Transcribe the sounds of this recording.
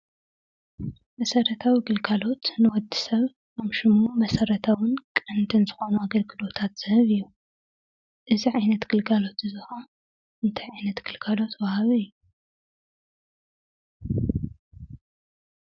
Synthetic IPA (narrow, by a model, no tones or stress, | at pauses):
mɐsɐɾɐt̪ʰawiɡɨlɡalo̞t̪nɨwɔd̪ːisɐβ | kɐmʃɨmːumɐsɐɾɐt̪ʰawɨnkʼɨnd̪ɨnzɨxo̞nuaɡɐlɡɨlo̞t̪ʰat̪z̥ɨhɨβɨjːu | ʔɨziʕajnɐt̪ɡɨlɡalo̞t̪ɨzɨxa | ɨnt̪ʰajʕajnɐt̪ɡ̥ɨlɡalo̞t̪wahaβiɨjːu